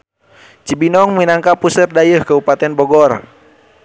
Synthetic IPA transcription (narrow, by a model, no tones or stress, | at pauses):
t͡ʃibinɔŋminaŋkapusərdajəhkaupat̪ɛnbɔɡɔr